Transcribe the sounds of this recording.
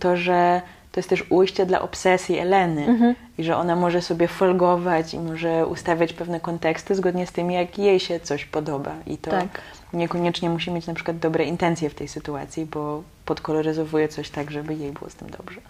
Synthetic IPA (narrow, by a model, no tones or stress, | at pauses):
t̪ɔʐɛ | t̪ɔjɛst̪t̪ɛʂujɕt͡ɕɛd̪la̰ʔɔpsɛsʲjiɛlɛnɘ | iʐɛʔɔnamɔʐɛsɔbʲjɛfɔlɡɔvat͡ɕḭmɔʐɛṵst̪avʲjat͡ɕpɛvnɛkɔnt̪ɛkst̪ɘzɡɔd̪ɲɛst̪ɘmjakjejɕɛt̪sɔɕpɔd̪ɔba̰ʔḭt̪ɔ | ɲɛkɔɲɛt͡ʂɲɛmuɕ̬imʲjet͡ɕnapʂɘkwad̪̚d̪ɔbɾɛint̪ɛnt̪sʲjɛft̪ɛjsɘt̪ua̰t̪sʲjibɔ | pɔt̪kɔlɔɾɘzɔvujɛt̪sɔɕt̪aɡʐɛbɘjejbɘwɔ̰st̪ɘmd̪ɔ̰bʐɛ